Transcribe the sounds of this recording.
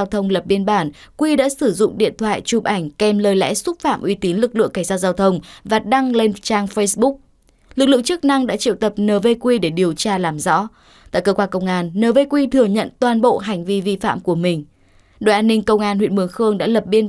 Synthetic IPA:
a˧wt̪ʰə˧wŋ͡mlə˨˩p̚ɓi˧ənɓaː˧˩n | kwi˧ɗa̰ː˧˥sɨ˧˩zʊ̰˧˨ŋ͡mɗḭ˧˨ənt̪ʰwa̰ː˧˨jt͡ɕu˨˩p̚ʔa˧˩jŋ̟kɛ˧mləː˨˩jlɛ̰˧˥sʊ˦˥t̚fa̰ː˧˨mʔwi˨˧˦t̪i˨˦nlɨ˨˩k̚lɨ̰˧˨əŋka˧˩ŋ̟zaː˧˩wzaː˧wt̪ʰə˧wŋ͡mvaː˨˩ɗa˧ŋle˧nt͡ɕaː˧ŋfə˧jsɓʊ˦˥k̚ | lɨ˨˩k̚lɨ̰˧˨ə˨ŋt͡ɕɨ˦˥k̚na˧ŋɗa̰ː˧˥t͡ɕḭ˧˨wt̪ə˨˩p̚nəː˨˩ve˧kwi˧ɗe˧˩ɗi˨˩əwt͡ɕaː˧laː˨˩mzɔ̰˧˥ | t̪a̰ː˧˨jkəː˧kwaː˧kə˧wŋ͡mʔaː˧nːəː˨˩ve˧kwi˧t̪ʰɨ˨˩əŋɲə̰˧˨nt̪waː˨˩nɓo̰˧˨ɦa˨˩jŋ̟vi˧vi˧fa̰ː˧˨mku˧˩əmï˨˩ŋ̟ | ɗo̰˨jʔaː˧nːï˧ŋ̟kə˧wŋ͡mʔaː˧nhwḭ˧˨ənmɨ˨˩əŋxɨ˧əŋɗa̰ː˧˥lə˨˩p̚ɓi˧ən

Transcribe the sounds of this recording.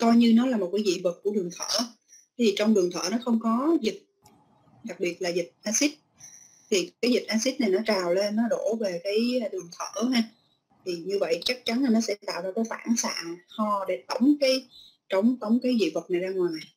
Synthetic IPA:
kɔ˧jɲɨ˧nɔ˨˦laː˨˩mo˨˩t̚kaː˨˦jzḭ˧˨və˨˩t̚ku˧˩əɗɨ˨˩əŋt̪ʰəː˧˩˦ | i˨˩t͡ɕɔ˧wŋ͡mɗɨ˨˩əŋt̪ʰə̰ː˧˩nɔ˨˦xə˧wŋ͡mkɔ˨˦zi˨˩t̚ | ɗa˨˩k̚ɓi˨˩ət̚laː˨˩zï˨˩t̚ʔaː˧si˦˥t̚ | t̪ʰi˨˩kaː˨˦jzi˨˩t̚ʔaː˧si˦˥t̚na˨˩jnɔ˨˦t͡ɕaː˨˩wle˧nːɔ˨˦ɗo˧˩ve˨˩kaː˨˦jɗɨ˨˩əŋt̪ʰəː˧˩haː˧ | t̪ʰi˨˩ɲɨ˧və̰˧˨jt͡ɕa˦˥k̚t͡ɕa˨˦nlaː˨˩nɔ˨˦sɛ̰˧˥t̪a̰ː˧˨wzaː˧kaː˨˦jfa̰ː˧˩nsa̰ː˧˨hɔ˧ɗe˧˩t̪ə˨˦wŋ͡mkaː˨˦j | t͡ɕə˧˦wŋ͡mt̪ə˨˦wŋ͡mkaː˨˦jzḭ˧˨və˨˩t̚na˨˩jzaː˧ŋwaː˨˩j

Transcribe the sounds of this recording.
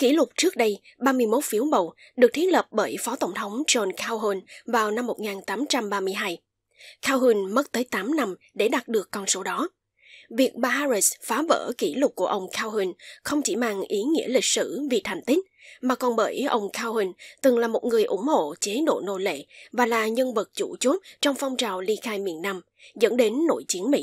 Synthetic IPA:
ki˧˩lʊ˨˩k͡p̚t͡ɕɨ˦˥ək̚ɗə˧j | ɓaː˧mɨ˧əjmo˦˥t̚fi˨˦əwmə˨˩w | ɗɨ˨˩ək̚t̪ʰi˦˥t̚lə˨˩p̚ɓəː˧˩jfɔ˨˦t̪ə˧˩wŋ͡mt̪ʰə˨˦wŋ͡mzɔ˧nkʰaː˧wɦə˧nvaː˨˩wna˧mːo˨˩t̚ŋaː˨˩nt̪aː˨˦mt͡ɕa˧mɓaː˧mɨ˧əjɦaː˧j | kʰaː˧whi˧nmə˦˥t̚t̪əː˨˦jt̪aː˨˦mna˧m | ɗe˧˩ɗa˨˩t̚ɗɨ˨˩əkːɔ˧nso˨˦ɗɔ˨˦ | vi˨˩ək̚ɓaː˧haː˧zi˦˥sfaː˨˦və̰ː˧˩ki˧˩lʊ˨˩k͡p̚ku˧˩əʔə˧wŋ͡mkʰaː˧whi˧nxə˧wŋ͡mt͡ɕi˧˩ma̰ː˨˩ŋʔi˨˦ŋḭ˧˥əlï˨˩k̟̚sɨ̰˧˩vi˨˩t̪ʰa˨˩jŋ̟t̪ï˦˥k̟̚maː˨˩kɔ˨˩nɓə̰ː˧˩jʔə˧wŋ͡mkʰaː˧whi˧ŋt̪ɨ˨˩ŋlaː˨˩mo˨˩t̚ŋɨ˨˩əjʔʊ˧˩ŋ͡mho̰˧˨t͡ɕe˨˦no̰˧˨no̰˧˩lḛ˧˨vaː˨˩laː˨˩ɲə˧nvə˨˩t̚t͡ɕṵ˧˩t͡ɕu˦˥t̚t͡ɕɔ˧wŋ͡mfɔ˧wŋ͡mt͡ɕaː˨˩wli˧xaː˧jmḭ˧˨ənːa˧m | zə̰˧˥nɗe˨˦nːo̰˧˩˨jt͡ɕi˨˦əŋmḭ˧˥

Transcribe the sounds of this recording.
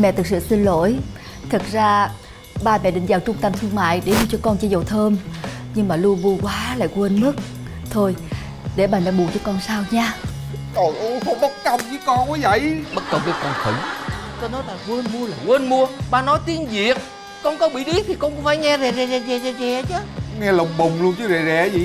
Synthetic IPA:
mɛ̰˧˨t̪ʰɨ˨˩k̚sɨ̰˧˨si˧nlo̰˧˥˨jt̪ʰɨ˨˩k̚zaː˧ | ɓaː˧mɛ̰˧˨ɗï˨˩ŋzaː˨˩wt͡ɕʊ˧ŋ͡mt̪ə˧mt̪ʰɨ˧əŋma̰ː˧˨jɗe˧˩˦lu˧t͡ɕɔ˧kɔ˧nt͡ɕɔ˧˩zə˨˩t̪ʰəː˧mɲɨ˧ŋmaː˨˩lu˧əɓu˧əkwaː˨˦la̰ː˧˨jkwə˧nmɨ˦˥t̚ | t̪ʰo˧j | ɗe˧˩ɓaː˨˩na̰˧˦ɓu˨˩t͡ɕɔ˧˩kɔ˧nsaː˧wɲaː˧ | ɔ˧ʔo˧ɓə˦˥t̚ka˧˩wŋ͡mt͡ɕɨ˨˦kɔ˧nka˨˦jvə̰˧˨jɓə˦˥t̚kə˨˩wŋ͡mɓi˨˦kɔ˧nxə˧˩˦ŋ | t̪o˧nɔ˨˦laː˨˩kwə˧nmu˧əlaː˨˩kwə˧nmu˧əɓaː˧˩nɔ˨˦jt̪i˨˧˦ənzi˨˩ək̚ | kɔ˧nkɔ˨˦ɓḭ˧˨ɗi˦˥˦t̪ʰi˨˩kɔ˧nkʊ˧˦ŋ͡mfaː˧˦jŋɛ˧zɛ˨˩zɛ˨˩zɛ˨˩zɛ˨˩zɛ˨˩zɛ˨˩t͡ɕɨ˨˦ŋɛ˧lə˨˩wŋ͡mɓə˨˩wŋ͡mlu˧ənt͡ɕɨ˨˦zɛ˨˩zɛ˧˨˩zi˨

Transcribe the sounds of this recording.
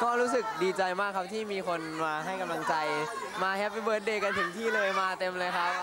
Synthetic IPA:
kɔː˥˩ɾuː˦˥sɯ˨˩k̚diː˧t͡ɕa˧jmaː˥˩kʰːa˦˥p̚t̪ʰiː˥˩miː˧kʰo˧nmaː˧ɦa˥˩jka˧mla˧ŋt͡ɕa˧j | maː˧hɛ˦˥p̚wi˦˥bɤː˧˩t̪̚deː˧˩ka˧nt̪ʰɯ˩˦ŋt̪ʰiː˥˩lɤː˧jmaː˧t̪e˧mlɤː˧jkʰa˦˥p̚

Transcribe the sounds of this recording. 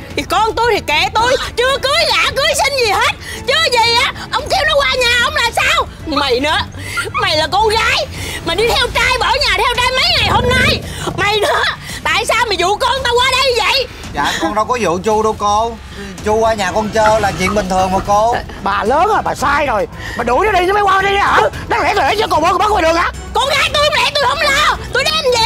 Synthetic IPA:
t̪ʰi˨˩kɔ˧nt̪u˧jt̪ʰi˨˩ke˧˩t̪u˧jt͡ɕɨ˧əkɨ˨˦əjɣaː˧˥kɨ˨˦jsi˧ŋ̟zi˨˩he˦˥t̚t͡ɕɨ˧zi˨˩˨ʔaː˨˦ʔə˧wŋ͡mkɛ˧əwnɔ˨˦kwaː˧ɲaː˨˩ʔə˧wŋ͡mlaː˨˩msaː˧w | ma˨˩jnɨ̰˧˦ə | ma˨˩jlaː˨˩kɔ˧ɣaː˨˦jmaː˨˩ɗi˧t̪ʰɛ˧wt͡ɕaː˧jɓə˧˩˦ɲaː˨˩t̪ʰɛ˧wt͡ɕaː˧jmə˨˦jŋa˨˩jho˧mna˧j | ma˨˩jnɨ̰˧˦ə | t̪a̰ː˧˨jsaː˧wma˨˩zṵ˧˨kɔ˧nt̪aː˧kwaː˧ɗə˧jvə̰˧˨j | za̰ː˨˩kɔ˧nɗɔ˨˦kɔ˨˦zṵ˧˨t͡ɕu˧ɗo˧ko˧ | t͡ɕu˧ʔaː˧ɲaː˨˩kɔ˧nt͡ɕəː˧laː˨˩t͡ɕḭ˧˨ənɓï˩ŋt̪ʰɨ˨˩əŋmɔ˨˩ko˧ | ɓaː˨˩ləː˨˦na˨˩jɓaː˨˩saː˧jzo˨˩j | maː˨˩ɗu˨˧˩ɲə˨˦ɗi˧nəː˨˦m˨˦jwaː˧˦˧ɗə˧ɗa˧˦ʔəː˧˩ | ɗa˨˦˥lɛ̰˨˧˦klɛ˧˨˦t͡ɕko˧wɓəː˨˦kɓːk̚wo˧˩ɗɨ˨˩əŋʔaː˧˨ | kɔ˧ɣaː˨˦jt̪o˧jhə˧˦wŋ͡mlɛ˧˦t̪o˧jhə˧wŋ͡mlaː˨˩t̪o˧jɗɛ˨˧˥mzɛ˧˨

